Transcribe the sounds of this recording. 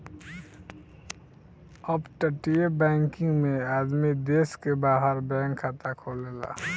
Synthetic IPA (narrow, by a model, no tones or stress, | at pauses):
əbʈəʈijebɛ̃ːŋkɪ̃ŋɡmẽaːd̪mid̪eːskebaːɦəɾbɛ̃ːŋkʰːaːt̪akʰoːleːla̰